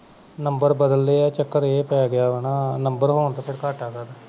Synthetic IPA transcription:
nəmbəɾbəd̪əlːeːaːt͡ʃəkːəɾeːpɛaɡɪjaːʋenaːnəmbəɾɦoːɳt̪aːpʰɪɾkaːʈaːɡaːd̪eː

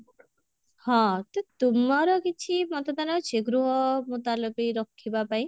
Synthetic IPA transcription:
hɔ̃t̪ot̪umɔɾɔkit͡ʃʰimɔt̪ɔd̪anɔt͡ʃʰeɡɾuɦɔmot̪alɔpiɾɔkʰːibapaj̃

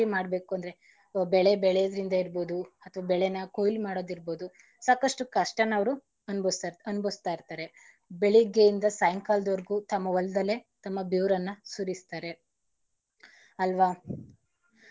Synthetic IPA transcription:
imaːɽbe̞ːkuɐnd̪ɾe̞ | bɛɭebɛɭejɐd̪ɐɾind̪ɐiɾbo̞ːd̪uɐt̪ʰɐʋaːbɛɭenɐkoːjlmaːɽo̞ːd̪iɾbo̞ːd̪u | saːkɐʂʈukɐʂʈɐnɐʋɾu | ɐnbɐnubɐst̪aːjiɾt̪aːɾe̞ | beɭiɡejind̪ɐsajɐŋkaːld̪ɐɾɡut̪ɐmːɐʋɐlɐd̪ɐlːe̞t̪ɐmːɐbjuːɾɐnːɐsuɾist̪aːɾe̞ | ɐlʋaː

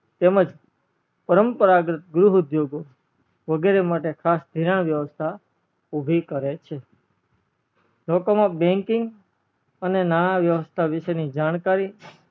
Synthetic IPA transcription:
t̪eməd͡ʒ | pəɾəmpəɾaɡɾət̪̚ɡɾuɦud̪joɡo | ʋəɡeɾemaʈekʰasd̪ʱiɾaɳ̃ʋjəʋəst̪ʰa | ubʱikəɾet͡ʃʰe | lokomãbɛ̃ŋkɪŋɡ | ənenaɳaʋjəʋəst̪ʰaʋɪʃenid͡ʒaɽ̃kaɾi

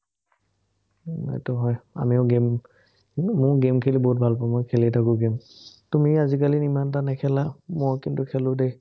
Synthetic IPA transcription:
ɛ̰tɔɦɔja̰miʊɡem | mʊɹɡemkʰɛlibɔɦut̚bʱalpɔmɔjkʰɛlitʰakʊɡemtumiazik̬alinimantanɛkʰɛlamɔɹkintukʰɛlʊde

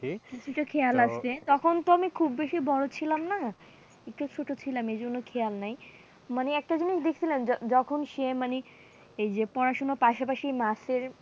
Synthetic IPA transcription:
kit͡ɕʰuʈakʰejalast̪et̪ɔkʰont̪oamikʰubːeʃibɔɽot͡ɕʰilamna | ek̚ʈut͡ɕʰoʈot͡ɕʰilamejd͡ʑonːokʰealnaj | maneɛk̚ʈad͡ʑiniʃd̪ekʰe̥t͡ɕʰilend͡ʑɔd͡ʑɔkʰonʃemane | ejd͡ʑepɔɾaʃonopaʃapaʃimaseɾ

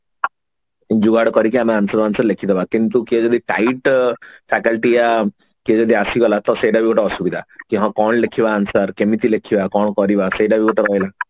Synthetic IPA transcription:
d͡ʒuɡaɽkɔɾikiameansɔɾansəɾlekʰid̪ɔʋakint̪ukied͡ʒɔd̪ʱiʈaiʈfʰɛkəlʈia | kid͡ʒɔd̪ʱiasiɡɔlat̪ɔseɖabiɡɔʈaɔsubid̪ʱakiɦãkɔɳlekʰiʋaːnsəɾkemit̪ilekʰiʋakɔɳkɔɾiʋaseɖabʱiɡɔʈabɔjla

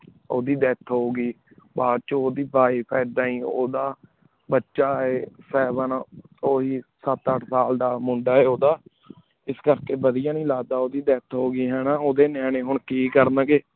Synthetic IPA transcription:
o̰ːd̪iːd̪ɛːt̪ʰɦoːɡiː | baːɾt͡ʃoːd̪iːbaːiːpʰɛːd̪aːĩːo̰ːd̪aː | bətːʃaːeːsɛːbənoːɦiːsət̪əʈʰsaːld̪aːmʊ̃ɳɖaːɛːoːd̪aː | ɪskəɾkeːbəd̪ɪjãːnĩːlaːd̪aːoːd̪iːd̪ɛːt̪ʰɦoːɡiːɦɛːnãːoːd̪eːnɛːneːɦʊɳkiːkəɾnãːɡeː

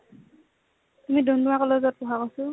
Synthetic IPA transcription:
tumidɔnduwakɔlɔzɔt̚pɔɦakosʊ

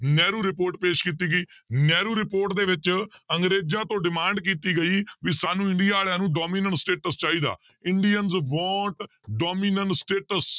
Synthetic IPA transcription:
nɛːɾuːɾɪpoːɾʈpeːʃkiːt̪iːɡəiːnɛːɾuːɾɪpoːɾʈd̪eːʋɪt͡ʃəŋɡɾeːd͡ʒãːt̪õːɖɪmãːɳɖkiːt̪iːɡəiːʋiːsaːnũːɪ̃ɳɖijaːɽjãːnũːɖɔːmiːnəɳʈsʈeːʈəst͡ʃaːiːd̪a̰ː | ɪɳɖijənzʋɔ̃ːʈ | ɖɔːmiːnəɳʈsʈeːʈəs

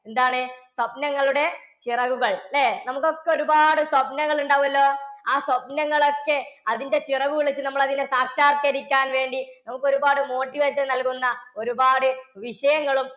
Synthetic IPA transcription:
e̞nd̪aːɳɨswɐpnɐŋːɐɭuɽe̞ | t͡ɕirɐɣuɣɐɭleːnɐmukːo̞kːeo̞ɾubaːɽɨswɐpnɐŋːɐɭuɳɖaːʋumɐlːo̞ːaːswɐpnɐŋːɐɭo̞kːe̞ɐðinde̞t͡ɕirɐɣuɣɐɭet͡ɕːɨnɐmːɐɭɐðindesaːkʂaːrkɐɾikʲːaːnʋe̞ːɳɖinɐmukːo̞ɾubaːɽɨmo̞ːʈːiʋeːɕɐnnɐlkunːɐo̞ɾubaːɽɨʋiʂɐjɐŋːɐɭum

